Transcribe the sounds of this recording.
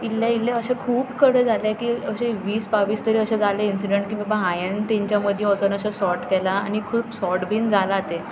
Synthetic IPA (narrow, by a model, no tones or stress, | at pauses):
ilːjaileəɕekʰuːpkəɽed͡zʱalekiːəɕeʋiːsbaʋiːst̪əɾiəɕẽd͡zaleinsiɖeɳʈ̚kĩʋəbaɦãjənt̪ẽɲt͡ɕjaməd̪ʱjeɔt͡sənəɕasɔʈkɛlaːñikʰuːpsɔʈbʱiːnd͡zʱalat̪e